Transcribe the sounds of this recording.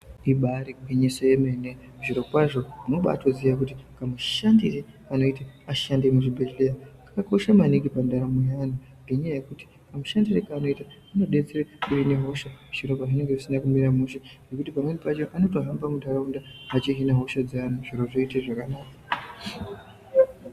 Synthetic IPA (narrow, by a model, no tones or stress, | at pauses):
iɓaɾiɡʱeɲesojemene | uʐiɾo̞pwaʐo̞uno̞ɓa̰ːto̞ziʋakutikamuʃandire | ano̞ita | aʃandemuʐibʱeʒleakakako̞ʃamaniŋɡipandaɾamujana | ŋɡeɲajaje̞kuti̥ | kamuʃandiɾekaːno̞ita | ano̞ɗe̞d͡zeɾekuɦineɦo̞ʃamuʃiɾo̞paʐine̞ŋɡe̞ʐisinakumiɾamuʃenɡekutipamwe̞nipat͡ʃo̞ʔano̞to̞ɦambamudʱaɾaundaat͡ʃiɦinaɦo̞ʃad͡zianaʐiɾo̞ʐo̞iteʐakanaːka